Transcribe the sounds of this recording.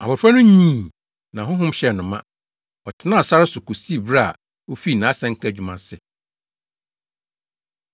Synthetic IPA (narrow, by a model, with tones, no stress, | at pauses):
a̰˨bʊ˨fa˦nʊ̃˦ɲĩ˦˨ | nã˨ɦʊ̃˦ɦʊ̃˦m˦ɕɛ˨nʊ̃˨mã˦ | ɔ˨tʰɪ˨nã˦˨sa˦ɾɪ˦sʊ˨ku˨si˦˨bɾa˦a˨ | o˦fi˦˨nã˨˦sɛ̃˦ŋ̩˦kʰæ˦˨d͡ʑᶣu˨mã˨sɪ˨